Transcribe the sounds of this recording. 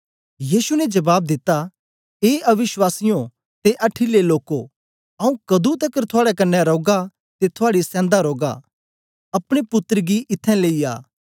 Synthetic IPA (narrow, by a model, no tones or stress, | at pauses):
jiːsunɛd͡ʒɐbaːb̚d̪ɪt̪ːa | eːɐʋɪswaːsɪjõ | t̪eʔɐʈʰːileloːko | ɐũkɐd̪ut̪ɐkəɾt̪ʰʊaːɽɛkɐnːɛɾoːɡa | t̪et̪ʰʊaːɽisɛ̃ːnd̪aɾoːɡa̰ | ɐpɽ̃epʊt̪əɾɡiʔɪt̪ʰːɛ̃leːia̰ː